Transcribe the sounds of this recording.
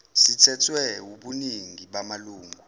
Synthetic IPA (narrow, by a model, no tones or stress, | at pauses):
sitʰɛtʰwɛuɓuniŋiɓamaluːŋɡʱu